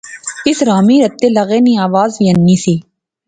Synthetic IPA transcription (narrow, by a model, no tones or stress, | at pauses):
ɪsɾaːmiːɾɐt̪ːelɐɣeːnĩaːʋaːzʋiɐnːiːsiː